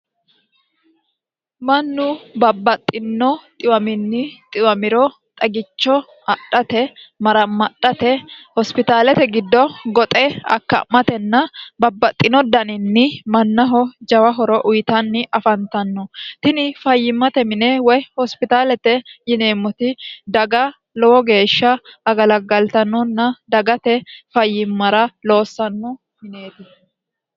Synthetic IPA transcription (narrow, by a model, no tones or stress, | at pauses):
mɐnːʊbɐbːɐt̪ʼːɪnːɔt̪ʼɪwɐmɪnːɪt̪ʼɪwɐmɪɾɔ | t̪ʼɐɡɪt͡ʃːɔ | ɐɗɐt̪ɛmɐɾɐmːɐɗːɐt̪ɛhɔspɪt̪aːlɛt̪ɛɡɪd̪ːɔɡɔt̪ʼɛɐ̰kːɐ̰mɐt̪ɛnːɐbɐbːɐt̪ʼːɪnɔd̪ɐnɪnːɪmɐnːɐɦɔd͡ʒɐwɐɦɔɾɔʔʊjt̪ɐnːɪʔɐfɐnt̪ɐnːɔt̪ɪnɪfɐjːɪmːɐt̪ɛmɪneːwɔjhɔspɪt̪aːlɛt̪ɛjɪne̞ːmːɔt̪ɪd̪ɐɡɐ | lɔwɔɡe̞ːʃːɐːɡɐlɐɡɐlt̪ɐnːɔnːɐd̪ɐɡɐt̪ɛfɐjːɪmːɐɾɐlo̞ːsːɐnːɔ | mɪne̞ːd̪ɪ